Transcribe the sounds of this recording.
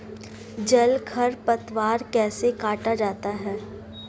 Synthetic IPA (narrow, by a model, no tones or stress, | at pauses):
d͡ʒɐlɡʰɐɾpɐt̪waːɾkɛːsekaːʈad͡ʒaːt̪aɦɛː